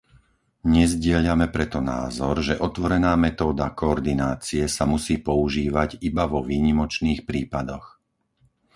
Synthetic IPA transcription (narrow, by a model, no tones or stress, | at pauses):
ɲɛzɟɪɛʎamɛpɾɛt̪ɔna̰ːzɔɾʒɛʔɔt̪ʋɔɾɛnaːmɛt̪ɔːd̪akɔɔɾd̪inaːt͡siɛsamusiːpɔuʒiːʋaɟibaʋɔʋiːɲimɔt͡ʃniːxpɾiːpad̪ɔx